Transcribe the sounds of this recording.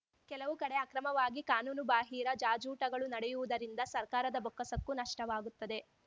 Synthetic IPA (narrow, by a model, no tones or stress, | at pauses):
kɛlɐʋukɐɽe̞ɐkɾɐmɐʋaːɡikaːnuːnubaːɦiːɾɐd͡ʒaːd͡ʒuːʈɐɡɐɭunɐɽejuʋud̪ɐɾind̪ɐsɐɾkaːɾɐd̪ɐbɔkːɐsɐkːunɐʂʈɐʋaːɡut̪ːɐd̪e̞